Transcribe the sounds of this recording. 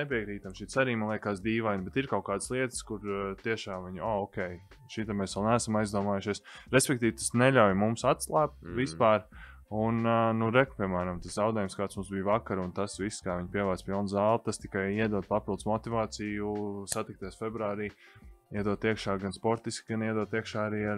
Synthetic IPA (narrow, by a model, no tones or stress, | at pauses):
nep̬iɛkɾiːt̪amʃiːt̪saɾiːmalˠiɛkaːsd̪iːʋajnbɛt̪iɾkaʊkaːd̪slˠiɛt̪skuɾt̪iɛʃaːmviɲaːɔkʲɛj | ʃit̪ɛmɛːsʋɛlˠnæːsamajzd̪uɔmaːjuʃiɛsɾespʲɛk̚t̪iːʋt̪ḁsnɛʎawjmumsat̪slˠaːp̚t̪vispaːɾ | unnuɾɛkpʲiɛmæːɾamt̪aszawd̪ɛːjumskaːt̪smumsbijvakaɾunt̪asʋisːkaːʋiɲpʲiɛʋaːt̪spilˠnzaːlˠt̪ast̪i̥kajiɛd̪uɔpapilˠd̪smɔt̪ivaːt̪sijusat̪ik̚t̪iɛsfebɾuaːɾiː | iɛd̪uɔt̪iɛkʃaːɡanspɔɾt̪iskɡaniɛd̪uɔt̪iɛkʃaːaɾiːa